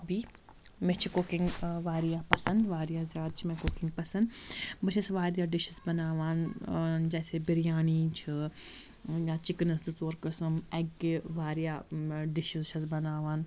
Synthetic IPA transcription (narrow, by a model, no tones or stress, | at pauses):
ɐbʱiː | mẽt͡ʃʰikoːkɪ̃ŋɡʋaːɾijaːpɐsɐnd̪ʋaːɾijaːzjaːd̪̚t͡ʃʰimẽkoːkɪ̃ŋɡpɐsɐ̃nd̪bɐʃʰɐsʋaːɾjaːɖɪʃɪzbɐnaːʋaːnd͡ʒɛːsebiɾijaːnit͡ʃʰi | jãːt͡ʃɪknɐszoːɾkɐsɐmɛɡʋaːɾijaːɖɪʃizt͡ʃʰɐzbɐnaːʋaːn